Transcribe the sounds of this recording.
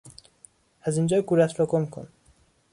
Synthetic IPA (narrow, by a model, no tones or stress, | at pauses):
æzind͡ʒɒːjɡuɾæt̪ɾɒɡomkʰo̰n